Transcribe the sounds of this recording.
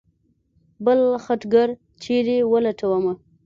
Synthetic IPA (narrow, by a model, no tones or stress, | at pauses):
bəlxaʈɡaɾ | t͡ʃeɾewəlaʈʰawama